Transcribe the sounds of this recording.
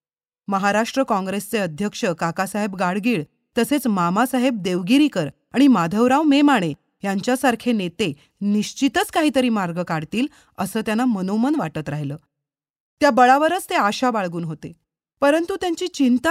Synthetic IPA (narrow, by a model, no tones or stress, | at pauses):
məɦaɾaʂʈɾəkɔ̃ŋɡɾest͡seəd̪ʱjəkʂəkakasaɦebɡaɭɡiːɭ | t̪əset͡smamasaɦeb̚d̪eʋɡiɾiːkəɾ | aɽ̃imad̪ʱəʋɾaʋmemaɽ̃e | jaɲt͡ɕjasaɾkʰenet̪e | niɕt͡ɕit̪ət͡skaɦiːt̪əɾiːmaɾɡəkaɽt̪iːl | əsəːt̪janːamənomənʋaʈət̪ɾaɦiləː | t̪jabəɭaʋəɾət͡st̪eaɕabaɭɡuːnɦot̪e | pəɾənt̪ut̪jaɲt͡ɕiːt͡ɕint̪a